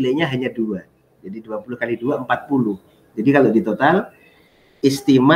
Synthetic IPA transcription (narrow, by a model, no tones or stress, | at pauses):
lajɲaɦaɲadua | d͡ʒadiduapulʊhkaliduaəmpat̪̚pulʊh | d͡ʒadikalodit̪ot̪al | ist̪ima